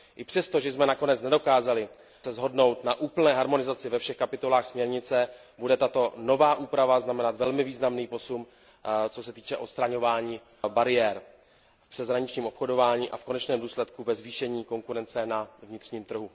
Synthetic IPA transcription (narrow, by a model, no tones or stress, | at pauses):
ʔɪpr̥ɛst̪o̞ʒɛsmɛnako̞nɛt͡snɛdo̞kaːzalɪ | sɛzɦo̞dno̞wt̪naʔuːpl̩nɛːɦaɾmo̞nɪzat͡sɪvɛfʃɛxkapɪt̪o̞laːxsmɲɛɾɲɪt͡sɛ | budɛt̪at̪o̞no̞vaːʔuːpɾavaznamɛnat̪vɛlmɪviːznamniːpo̞sum | t͡sosɛt̪iːt͡ʃɛʔo̞t̪st̪ɾaɲo̞vaːɲiː | baɾɪjɛːɾ | fpr̥ɛzɦɾaɲɪt͡ʃɲiːmo̞pxo̞do̞vaːɲiːʔafko̞nɛt͡ʃnɛːmduːslɛt̪kuvɛzviːʃɛɲiːko̞ŋkuɾɛnt͡sɛnavɲɪt̪r̥ɲiːmt̪r̩ɦu